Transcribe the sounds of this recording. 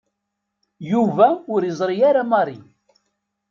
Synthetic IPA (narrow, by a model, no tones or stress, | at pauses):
juvæʊɾjəzˤɾijaɾamɑɾˤi